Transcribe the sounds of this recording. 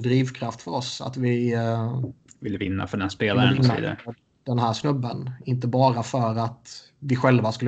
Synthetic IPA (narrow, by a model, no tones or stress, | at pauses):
d̪ɾiːvkʰɾaft̪fœɾɔsa̰t̪vɪ | vɪlːəvɪnːa̰fœɖɛnspeːlaɾnnːaḭːd̪a̰f | ɖɛnɦæːʂnɵbːənɪnt̪əbɑːɾafœɾat̪ | vɪɧɛlvaskɵlːə